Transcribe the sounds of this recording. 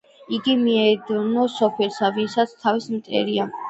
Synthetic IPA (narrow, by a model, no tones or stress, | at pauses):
iɡimiɛd̪nɔsɔpʰɛlsavinsat̪sʰt̪ʰavismt̪ʼɛ̰ɾia